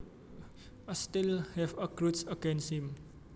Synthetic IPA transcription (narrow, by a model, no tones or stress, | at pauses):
astilhɛvəkɹutsəɡɛ̃nshĩm